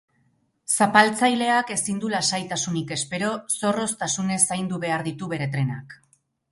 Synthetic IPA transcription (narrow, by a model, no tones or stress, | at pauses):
sapalt͡sajle̞ake̞sind̪ulasajt̪asunike̞spe̞ɾo̞so̞ro̞st̪asune̞sajnd̪uβe̞aɾðit̪uβe̞ɾe̞t̪ɾe̞na̰k